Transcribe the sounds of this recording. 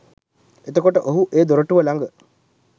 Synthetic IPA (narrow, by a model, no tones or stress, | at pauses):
et̪əkoʈəʔoɦuʔeːd̪oɾəʈuʋəlaŋɡə